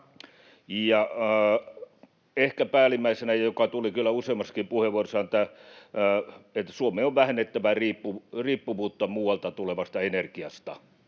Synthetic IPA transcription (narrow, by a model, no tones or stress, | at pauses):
jɑ | ehkæpæːlimːæisenæjɑjokɑt̪ulikylːˑæuseimɑskimpuheʋorsɑnet̪ːæ | et̪ːsuomeːoʋʋæhenːet̪ːæʋæriːpːuriːpːuʋuːt̪ːɑmuːwɑlt̪ɑt̪uleʋɑst̪ɑenerkiɑst̪ɑ